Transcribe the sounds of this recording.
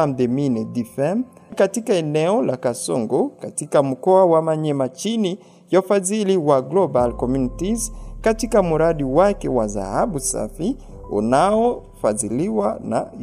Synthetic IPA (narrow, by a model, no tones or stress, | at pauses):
am̩dɛminɛdifɛm | katikaɛnɛɔlakasɔ̰ŋɡɔkatikam̩kɔawamaɲɛmat͡ʃini | jafaziliwaɡlɔbalkɔmjunitizkatikamuɾaɗiwakɛwaza̰haɓusa̰fi | ṵnaɔ | faziliwana̰